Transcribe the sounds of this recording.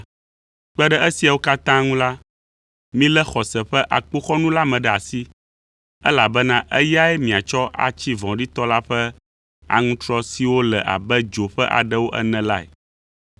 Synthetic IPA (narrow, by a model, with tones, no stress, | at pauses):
k͡pɛ˦ɖɛ˦ɛ˦si˨a˨wo˦ka˦t̪ã˦ŋũ˦la˦ | mĩ˦lɛ˦xɔ˨sɛ˨ɸɛ˦ʔa˨k͡po˦xɔ˦nũ˦la˦mɛ̃˨ɖɛ˨a˨si˦ | ɛ˦la˨bɛ˦nã˦ʔɛ˦ja˦ɛ˦mĩ˨a˨t͡ʃɔ˦ʔa̰˨t͡ɕi˦vɔ̃˨ɖi˦t̪ɔ˦la˦ɸɛ˦ | a̰˨ŋũ˦t̪ɾɔ˦si˨wo˦lɛ˨ʔa̰˨bɛ˦d͡ʒo˨ɸɛ˦ʔa̰˨ɖɛ˦wo˦ʔɛ̰˦nɛ̃˨la˦ɛ̰˨